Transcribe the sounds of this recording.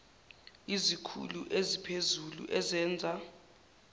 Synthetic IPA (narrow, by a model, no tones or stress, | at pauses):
izikʰṵlṵʔezipʰezulṵʔɛzɛːnd͡zʱa